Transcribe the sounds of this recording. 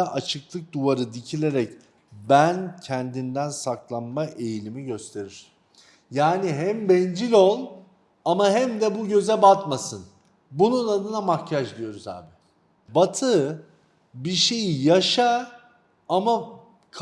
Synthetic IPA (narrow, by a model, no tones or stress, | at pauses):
ʔat͡ʃʰɯklˠɯk̚d̪uvaɾɯd̪icʰilʲe̞ɾɛc | bæncʰɛnd̪ind̪ænsaklˠanmaʔe̞jlʲimiɟø̞st̪ʰe̞ɾiɾ̥ | jaːniɦæmbɛnd͡ʒilʲolˠ | amaɦɛmd̪ɛbuɟø̞zɛbat̪masɯn | bununad̪ɯnamakcʰaʒd̪ʲˠijo̞ɾuza̰ːbɪ | bat̪ʰɯ | biʃe̞jijaʃa | ama | kʰ